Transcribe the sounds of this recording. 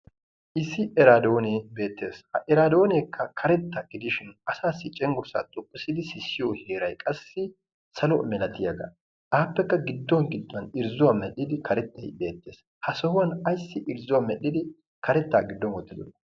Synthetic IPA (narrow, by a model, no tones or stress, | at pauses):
ʔɪsːɪʔɛɾaːd̪o̞ːneːbe̞ːt̪ːe̞ːsɐʔɛɾaːd̪o̞ːneːkːɐkʰɐɾɛt̪ːɐɡɪd̪ɪʃɪnɐsaːsːɪt͡ʃʼɛŋɡʊɾsa̰ːt̪ʼʊkʼːɪsɪd̪ɪsɪsːɪjoːhe̞ːɾɐjkʼɐsːɪ | sɐlɔmɛnɐt̪ːɪjɐɡɐ̰ | aːpːɛkːɐɡɪd̪ːɔnɡɪd̪ːʊɐnɪɾzʊwɐmɛɗɪd̪ɪkʰɐɾɛt̪ːɐjbe̞ːt̪ːeːs | hɐsɔhʊwɐnɐjsːɪʔɪɾzʊwɐmɛɗɪd̪ɪ | kʰɐɾɛt̪ːa̰ːɡɪd̪ːɔnwɔt̪ːɪd̪ɔnɐ